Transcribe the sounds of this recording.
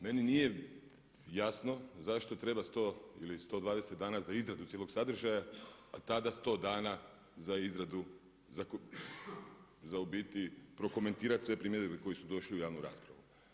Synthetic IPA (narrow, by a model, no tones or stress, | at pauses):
me̞ninije̞ | jasno̞zaʃt̪o̞t̪ɾe̞bast̪o̞ilist̪o̞d̪ʋaːd̪eset̪d̪aːnazaizɾad̪ut̪jeloksad̪ɾ̩ʒajaat̪ad̪ast̪o̞ːd̪aːna | zaizɾad̪u | zak | zaubiːt̪ipɾo̞ko̞me̞nt̪iːɾat̪ʲsʋe̞pɾiːmjeɾieko̞jisud̪o̞ʃliujaːʋnuɾa̰ːspɾaʋu